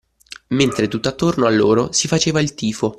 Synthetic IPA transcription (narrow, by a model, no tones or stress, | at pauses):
ment̪ɾet̪ut̪ːoat̪ːornoalːoːɾosifat͡ʃeːvailt̪iːfo